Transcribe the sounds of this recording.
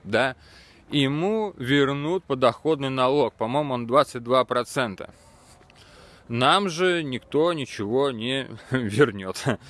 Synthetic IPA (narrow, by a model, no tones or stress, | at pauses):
d̪a | ɪmuvʲɪrnut̪̚pəd̪ɐxo̞d̪nɨjnɐlˠo̞k̚pɐmo̞jmʊo̞nd̪vat̪sɨt̚ʲd̪vapɾɐt̪sɛnt̪ə̰ | namʐɨnʲɪkt̪o̞nʲɪt͡ɕɪvo̞nʲɪvʲɪrnʲot̪